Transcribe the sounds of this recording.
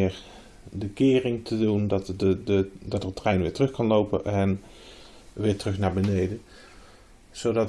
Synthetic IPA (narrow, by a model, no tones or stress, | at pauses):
ɪːɹ | bəkɪːrɪŋtʰədundɑtəədɑtrətrɛjnʋɪːɹtrɵxkɑnlowpənʔɛn | ʋɪːɹtərɵxnaːɹbənejdən | z̥owdɑt